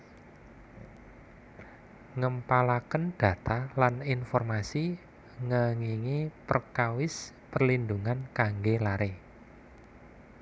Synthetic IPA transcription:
ŋəmpalakənɖ̥ä̤t̪alaninfɔrmasi | ŋəŋiŋepərkawɪspərlinduŋankaŋɡelaɾe

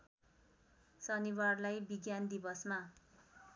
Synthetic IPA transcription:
sʌniwarlajbiɡjand̪ibʌsma

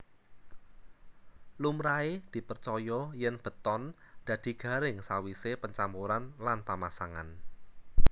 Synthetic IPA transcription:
lumɾaed̪̥i̤pərt͡ʃɔjɔjənb̥ə̤t̪ɔnd̪̥ä̤d̪̥i̤ɡ̥ä̤ɾɪŋsawisepəɲt͡ʃampuɾanlanpamasaŋa̰n

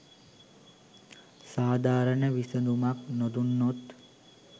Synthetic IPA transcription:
saːd̪ʱaːɾəɳəʋisənd̪umaknod̪unːot̪

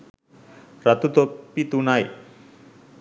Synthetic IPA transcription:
ɾat̪ut̪opːit̪unaj

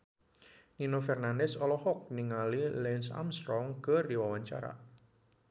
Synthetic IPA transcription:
ninofɛrnandɛsɔlɔhɔk̚niŋalilɛnsa̰mst̪ɾɔŋkərdiwawaɲt͡ʃa̰ɾa̰

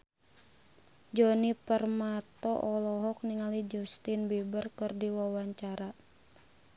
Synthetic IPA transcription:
d͡ʒɔnipərmat̪ɔʔɔlɔɦɔk̚niŋalid͡ʒust̪inbibərkərdiwawaɲt͡ʃaɾa

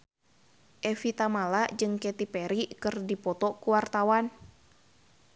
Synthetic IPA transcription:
ʔɛfit̪amalaʔd͡ʒɨŋkɛt̪ipɛɾikɨrdipɔt̪ɔkuwart̪awan

